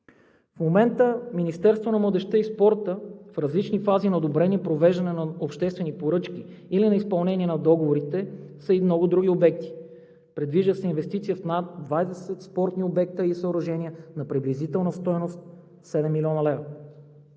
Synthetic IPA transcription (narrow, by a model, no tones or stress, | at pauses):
fmomɛnt̪əminist̪ɛɾst̪vonɐmlˠəd̪ɛʃt̪əispɔɾt̪əfɾɐzlit͡ʃnifazinɐod̪obɾɛnipɾovɛʒd̪ɐnɛnɐopʃt̪ɛst̪vɛnipoɾɤt͡ʃkʲiː | linɐispɐlˠnɛnʲiɛnɐd̪ɔɡovoɾit̪ɛsəimnɔɡʊd̪ɾuɡʲiobɛk̚t̪i̥ | pɾɛd̪viʒd̪əsɛinvɛst̪it̪sijəfnat̪̚d̪vajd̪ɛsɛt̪spɔɾt̪niobɛk̚t̪əisəoɾɐʒɛnʲiənɐpɾiblizit̪ɛlˠnɐst̪ɔjnost̪̚ | sɛd̪ɛmːilʲiɔnəlɛvɾɐ